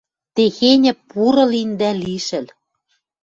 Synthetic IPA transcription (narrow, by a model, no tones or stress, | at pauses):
t̪exenʲɘ̆puɾɤ̆lind̪æliʃɘ̆l